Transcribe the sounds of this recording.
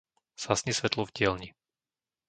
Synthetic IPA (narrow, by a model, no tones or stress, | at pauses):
sasɲisʋɛt̪lɔvɟɪɛlɲi